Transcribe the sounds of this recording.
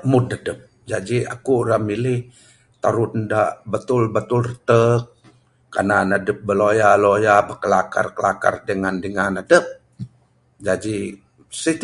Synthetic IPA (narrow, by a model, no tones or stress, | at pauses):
mʊd̚nadəp̚ | d͡ʒad͡ʒia̰kuɾamilɪh | t̪aɾʊt̪ndaʔbət̪ʊlbət̪ʊlrət̪ək̚ː | a̰nanadəp̚bəlojalojabəkəlaka̰rkəlaka̰rdəŋandəŋanadəp̚ | d͡ʒad͡ʒi | sit̪